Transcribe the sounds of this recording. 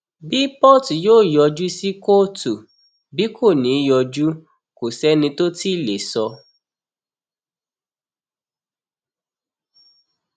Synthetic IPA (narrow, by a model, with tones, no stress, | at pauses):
bi˦pɔ˦˨ti˨joː˦˨jɔ˧d͡ʒu˦si˦ko˦˨tu˨ | bi˨˦kʰo˦˨nĩ˨˦jɔ˧d͡ʒu˦ | ko˨sɛ˦nĩ˧to˦ti˦˨le˨sɔ˧